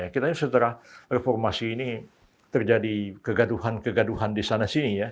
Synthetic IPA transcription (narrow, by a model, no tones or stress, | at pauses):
jakit̪aɲusət̪əɾahrefɔrmasiːni | t̪ərd͡ʒadikəɡaduhankəɡaduɦandisanasinija